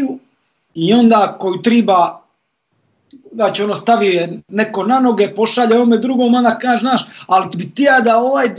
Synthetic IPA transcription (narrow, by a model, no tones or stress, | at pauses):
u | io̞nd̪aːkojut̪ɾiba | d̪at͡ɕeonost̪aʋieneko̞nanoɡepo̞ʃaʎeoomed̪ɾuɡomond̪akaːʒenaːʃalt̪bit̪ijaːd̪aoʋaːjd̪